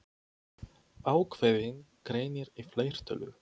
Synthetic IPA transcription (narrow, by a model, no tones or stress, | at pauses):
aːwkʰvejðɪn | kɾeːjnɪɾifleːjr̥t̪œlʏ̰